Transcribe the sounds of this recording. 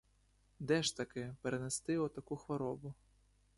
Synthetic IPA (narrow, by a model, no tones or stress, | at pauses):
d̪ɛʃt̪ɐkɪpeɾenest̪ɪɔt̪ɐkuxʋɔɾɔbʊ